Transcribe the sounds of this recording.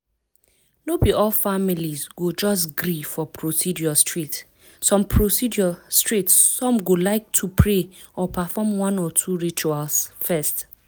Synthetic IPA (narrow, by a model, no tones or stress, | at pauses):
nobiɔlfamilizɡod͡ʒɔsɡɹifɔpʰɹosidjɔstɹit | sɔ̃mpʰɹosidɔstɹitssɔ̃mɡolaɪk̚tʰupʰɹeɔpʰafɔmwɔ̃nɔtʰuɹit͡ʃualsfɛst